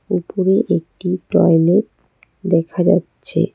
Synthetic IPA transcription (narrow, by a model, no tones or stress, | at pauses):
upoɾeʔek̚ʈiʈɔjleʈ | d̪ɛkʰad͡ʑa̰tːɕʰḛ